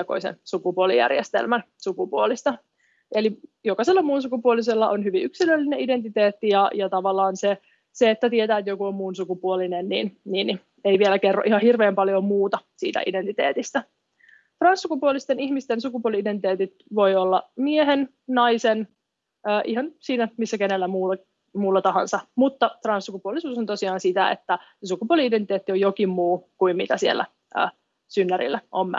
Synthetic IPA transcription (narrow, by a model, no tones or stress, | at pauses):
ko̰isḛnsukupuolḭjæ̰rjḛst̪ḛlmæn | sukupuolist̪ɑ | elijokɑselːɑmuːnsukupuolis̬elːɑʔonhyʋiʔyksilølːineʔide̞nt̪it̪eːt̪ːijɑjɑt̪ɑʋɑlːɑːnse | seet̪ːæt̪iet̪æːet̪jokuommuːnsukupuolinennḭːnniːn | ejʋielækerːoʔihɑhirʋeːmpɑljomuːt̪ɑsḭːt̪æ̰ʔide̞nt̪it̪ḛːt̪ist̪æ | t̪rɑnsːukupuolist̪eniçmist̪ensukupuoliident̪it̪eːt̪it̪ʋo̞iolːɑmieɦen | nɑjsen | əːʔihɑnsiːnæmisːækenelːæmuːl | muːlːɑt̪ɑɦɑ̰nsɑmut̪ːɑt̪rɑnsːukupuolisuːsont̪osiɑːnsit̪æḛt̪ːæ | sukupuoliideit̪eːt̪ːiojokimmuːkuimmit̪æsiḛlːæ̰ | ʔø̰ː | synːæɾḭlːæʔom̰ː